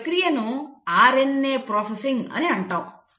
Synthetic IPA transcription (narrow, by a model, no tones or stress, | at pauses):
kɾijenũaɾenːepɾɔsesɪ̃ŋɡə̰neə̃ɳʈəʋ